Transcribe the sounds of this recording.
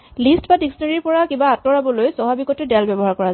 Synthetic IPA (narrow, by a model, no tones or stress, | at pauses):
listbadiksɔnaɹiɹpɔɹakibaːtɔɹabɔlojsɔɦabikɔtɛdalbɛbɔɦaɹkɔɹa